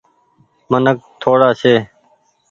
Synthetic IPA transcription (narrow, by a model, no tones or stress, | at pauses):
mənək̚t̪ʰoːɽaːseː